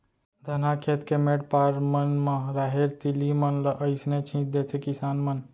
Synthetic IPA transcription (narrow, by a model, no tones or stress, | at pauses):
d̪ʱənakʰet̪kemeʈpaɾmənmaɾaɦeɾt̪ilimənləʔəɪsnet͡ʃʰĩd̪et̪ʰekisanmən